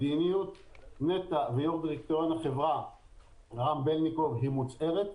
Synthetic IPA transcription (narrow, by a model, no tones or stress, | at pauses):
inijut̪net̪avejoʁd̪iʁik̚t̪ojonaχevʁa | ʁambelnikovɦimut͡se̞ʁet̪